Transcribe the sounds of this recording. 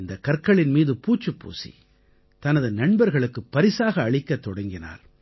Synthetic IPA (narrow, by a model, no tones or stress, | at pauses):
ɪnd̪ɐkːɐrkːɐɭɪnmiːðɯpuːt͡ʃːɯpːṵːsḭ | t̪ɐnɐðɯnɐɳbɐɾɣɐɭɯkːɯpːɐɾɪsaːɣɐːɭɪkːɐt̪ːɔɽɐŋɡɪna̰ːɾ